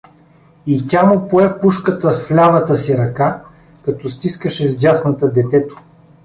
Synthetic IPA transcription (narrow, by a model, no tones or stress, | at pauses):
itʲamopoɛpuʃkət̪əfflʲavət̪əsiɾɐka | kɐt̪ɔst̪iskəʃɛzdʲasnət̪əd̪ɛt̪ɛt̪o̥